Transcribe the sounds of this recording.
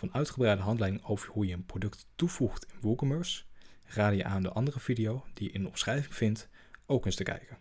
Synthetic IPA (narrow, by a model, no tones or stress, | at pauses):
ɑnœɥtχəbrɛjdəɦɑntlɛjdɪŋowvəɹɦujəənprodɵkttuv̥uχtɪnʋulˠkəməɹsraːdəjəʔaːndə̰ʔɑndərəvidijowd̥ijəʔɪndəɔ̰msrɛjvɪŋv̥ɪnt | owkənstəkɛ̰jkə